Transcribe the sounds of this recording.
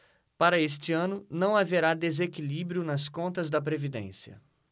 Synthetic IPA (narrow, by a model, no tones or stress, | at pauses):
paɾɐest͡ʃɪɐ̃nʊnɐ̃w̃aveɾad̪ezekilibɾijʊnɐskõnt̪ɐzd̪ɐp̬ɾevid̪ḛ̃sjɐ̰